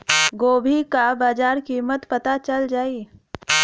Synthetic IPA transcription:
ɡoːbʱikabaːd͡ʒaːɾkiːmət̪pɐt̪at͡ʃɐld͡ʒaːiː

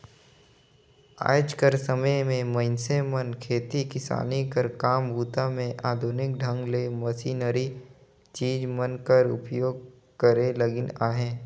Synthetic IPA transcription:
a̰ːd͡ʒkəɾsəməjmẽməɪnsemənkʰeːt̪ikɪsa̰ːnikəɾkaːmbʱuːt̪amẽʔaːd̪ʱuːnɪk̚ɖʱə̃ŋɡlemɐsiːnəɾi | t͡ʃiːd͡ʒmənkəɾʊ̰pjoːɡ̚ | kəɾeləɡɪnaːɦẽː

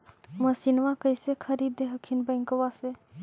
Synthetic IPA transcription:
məsinʋakəjsekʰəɾiːd̪eɦəkʰːinbə̃jŋkəʋase

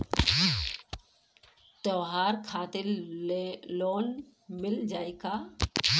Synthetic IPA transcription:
t̪ɔːɦaːɾkʰaːt̪e | loːn | mɪld͡ʒaːikaː

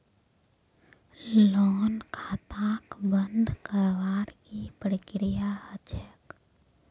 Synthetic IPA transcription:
lɔːnkʰaːt̪aːkbənd̪ʱkəɾʋaːɾkipɾəkɾɪjahəd͡ʒʰək

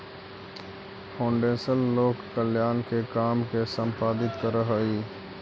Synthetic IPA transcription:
pʰõːɳɖẽːsəlːoːkkəljaːnkekaːmkesə̃mpaːd̪ɪt̪kəɾəɦəiː

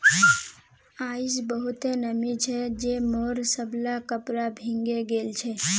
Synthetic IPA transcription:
aisbəɦut̪enəmit͡ʃʰɛd͡ʒemɔɾsəbʱlakəpɾabʱiŋɡeɡelt͡ʃʰɛ

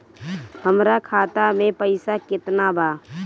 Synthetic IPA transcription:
həmɾakʰaːt̪amẽpəɪsakɪt̪nabʱa

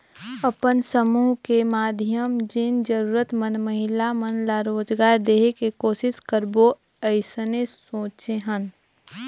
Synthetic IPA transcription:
əpənsəmuːɦkemaːd̪ʱijəmd͡ʒɪnd͡ʒəɾuːɾət̪mənməɦɪlamənlaɾoːd͡ʒɡaːɾd̪eːɦekekoːʃɪskəɾbo | əɪsnesõːt͡ʃeɦən

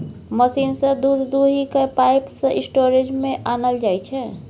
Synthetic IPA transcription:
məsinsə̃d̪uɾd̪uɦikepajpsə̃isʈoɾed͡ʒmẽʔanəld͡ʒajt͡ʃʰɛ

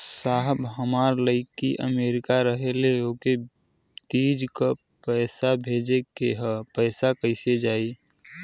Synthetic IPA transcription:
saːɦəbɦəmaːɾləɪkːiʔə̰meːɾɪkaɾəɦeleoːke | t̪iːd͡ʒkapəɪsabʱeːd͡ʒekeɦəpəɪsakəɪsed͡ʒaːi

